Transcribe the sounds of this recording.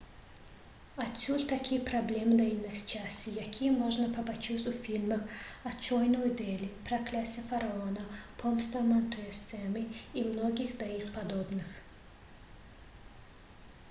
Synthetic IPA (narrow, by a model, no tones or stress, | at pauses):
ɐsʲulʲt̪ʰɐkʲʰijpʰrɐblʲɛmɨd̪ɐinːɐsʲt͡ʃʰasʲijakʲʰijɛmɔʒnɐpʰɐpɐt͡ʃʰusʲʼufʲilʲmɐxɐt͡ʃʰɔjnojd̪elʲipʰrɐkʰlʲasʲijɐfɐɾɐɔnɐpʰɔmst̪ʰɐmɐnt̪ʰuɛsɛmɨimnoɡʲixd̪ɐixpʰɐd̪obnɨx